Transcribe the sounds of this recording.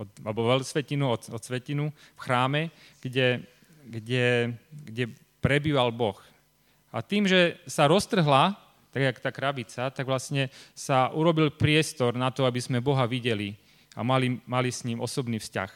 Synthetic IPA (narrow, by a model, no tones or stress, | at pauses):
ɔt̪alɛbɔʋɛlsʋɛcinuɔt̪ɔt̪sʋɛcinufxɾaːmɛ | ɡ̥ɟɛ | ɡɟɛɡɟɛ | pɾɛbiːʋalbɔx | a̰t̪iːmʒɛsaɾɔst̪r̩ɦla | t̪aɡakt̪aːkɾabit͡sat̪aɡʋlasɲɛsaʔuɾɔbilpɾɪɛst̪ɔɾnat̪ɔabizmɛbɔɦaʋiɟɛli | a̰malimalisɲiːmɔ̰sɔbniːfsca̰x